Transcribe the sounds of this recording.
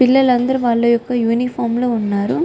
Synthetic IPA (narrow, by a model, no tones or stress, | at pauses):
pɪlːɐlɐnd̪ɐɾʋaːlːɐjɔkːɐjuːnifaːmlɐʊnːaːɾɯ